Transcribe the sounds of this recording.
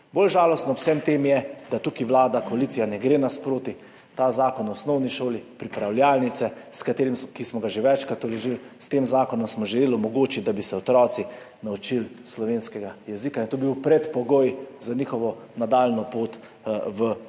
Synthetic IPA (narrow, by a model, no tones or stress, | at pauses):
bolʒaːlɔst̪nɔwsɛmt̪emjɛd̪at̪ukiʋlaːd̪akɔalit̪sijanɛɡɾenaspɾoːt̪i | t̪azaːkɔnɔsnɔwniʃoːlipɾipɾawljaːlnit̪sɛskat̪eːɾimskismɔɡaʒeʋɛt͡ʃkat̪ɔlɛʒil | st̪eːmzaːkɔnɔmsmɔʒɛleːlɔmɔɡoːt͡ʃid̪abisɛɔt̪ɾɔːt̪si | naut͡ʃilslɔʋeːnskɛɡajɛzikaint̪oːbibiwpɾɛt̪pɔɡoːjzaniːxɔʋɔnad̪alnɔpoːt̪ | ʋə